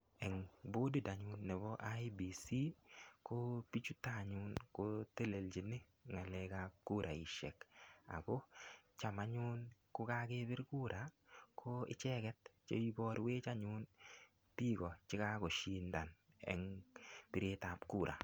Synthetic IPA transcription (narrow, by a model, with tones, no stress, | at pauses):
ɛ˨ŋbo˦di˦˨da˨ɲʊ˦nːɛ˨bɔ˦ʔa˦jbi˨si˦ko˦pi˦t͡ʃu˦ta˦˨ɲʊ˦nko˦te˦le˨lt͡ʃi˨nɪ˦ | ŋa˨le˦kap̚ku˦ɾʔa˨i˨ʃɛ̰˨ka̰˨ɡo˦t͡ʃa˨ma˨ɲʊ˦nkʊ˦ka˦ke˦bɪ˦ɾku˦ɾa˨kʰo˦ɪ̰˦t͡ʃɛ˦kɛ˦tt͡ʃḛ˦bi˦bɔ˦ɾwe˦t͡ʃa˦ɲʊ˦n | pi˦ɡɔ˨t͡ʃɪ˦ka˦kɔ˨ʃi˦nda˨n | ɛ̰˨ŋpi˨ɾe˦ta˨pku˦˨ɾʔa̰˨